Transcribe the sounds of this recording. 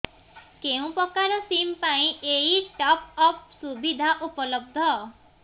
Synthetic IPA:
keũpɔkaɾɔsimpaĩʔeiʈɔpɔp̚subid̪ʱaʔupɔlɔb̚d̪ʱɔ

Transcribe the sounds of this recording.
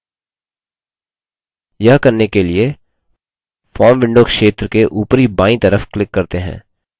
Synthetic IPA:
jɐɦkɐɾnekelie | fɔːɾmʋɪ̃ɳɖoːkʃeːt̪ɾəkeʔuːpɾibãːĩt̪ɐɾəfklɪkːɐɾt̪eɦɛ̰̃ː

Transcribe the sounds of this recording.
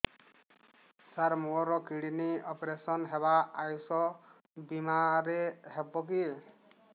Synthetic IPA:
saɾmuɔɾɔkiɽiniɔpɾesɔnɦeβaːjusɔ | bimaɾehebɔk̬i

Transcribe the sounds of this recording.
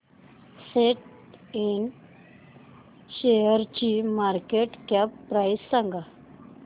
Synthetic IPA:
seʈ | in | ɕejəɾt͡ɕimaɾkeʈkapːɾajsːãŋɡa

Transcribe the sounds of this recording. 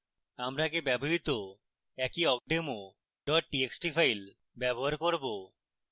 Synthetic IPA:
amɾakebɛboɦit̪o | ɛkiɔk̚ɖemo | ɖɔʈ̚ʈieksʈipʰajl | bɛboɦaɾkoɾbo

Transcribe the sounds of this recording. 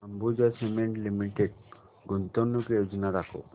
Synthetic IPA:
ambud͡ʒasemẽɳʈlimiʈeɖ̚ | ɡunt̪ɔnːukejod͡ʒɔnaɾakʰo̰

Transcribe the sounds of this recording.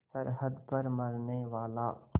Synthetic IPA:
sɐɾɦəd̪pɐɾmɐɾneʋaːlaː

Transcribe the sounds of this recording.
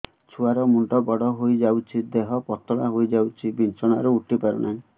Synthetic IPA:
t͡ʃʰuaɾɔmuɳʈɔbɔɽɔɦojd͡ʒawt͡ʃʰid̪eɦɔpɔt̪ɔɽa̰ɦojd͡ʒawt͡ʃʰibint͡ʃɔɽ̃aɾɔuʈipaɾɔnaĩ

